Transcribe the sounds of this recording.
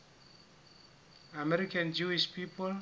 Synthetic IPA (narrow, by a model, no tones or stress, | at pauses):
amɛɾikãnd͡ʒuiʃpipʰɔl